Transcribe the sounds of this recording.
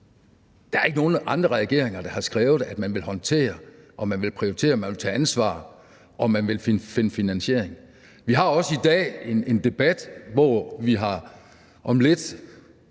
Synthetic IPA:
d̥ææɐe̝ɡ̥əno̝ːnəʔɑ̈nd̥ʁɐʁɛɡ̥e̝̰ɐ̰eŋɐd̥ɑ̈hɑ̈sɡ̥ʁɛːʊð̩ˠæd̥mænʋe̝lhɒ̽nt͡sʰe̝̰ːɐ | ʔɒ̽mænʋe̝lpʰʁioit͡sʰe̝̰ːɐmænʋe̝lt͡sʰɛ̰ːænsʋɑ̰̈ː | ʔɒ̽mænʋe̝lfinfe̝nəfinænɕe̝̰ɐ̰eŋ | ʋiɦɑ̈ɒ̽səid̥ɛ̰ːe̝ne̝nd̥e̝b̥æd̥ʋɒʋiɦɑ̈ | ʔɒ̽mle̝d̥

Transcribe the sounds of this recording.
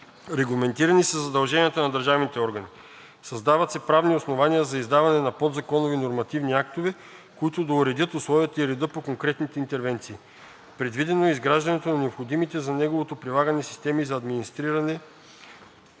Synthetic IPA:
ɾɛɡlˠɐmɛnt̪iɾɐnisəzɐd̪ɐlˠʒɛnijət̪ɐnɐd̪əɾʒavnit̪ɛɔɾɡɐni | sɐzd̪avɐt̪sɛpɾavniosnovanijəzɐizd̪avɐnɛnɐpɔd̪zɐkɔnovinoɾmɐt̪ivniak̚t̪ovɛ | koit̪ʊd̪ɐuɾɛd̪jət̪ʊslˠɔvʲiət̪ɐiɾɛd̪ɤpokoŋkɾɛt̪nit̪ɛint̪ɛɾvɛnt̪siː | pɾɛd̪vid̪ɛnoɛizɡɾaʒd̪ɐnɛt̪onɐnɛopxod̪imit̪ɛzɐnɛɡovot̪opɾilˠaɡɐnɛsi̥st̪ɛmizɐːd̪minist̪ɾiɾɐnɛ

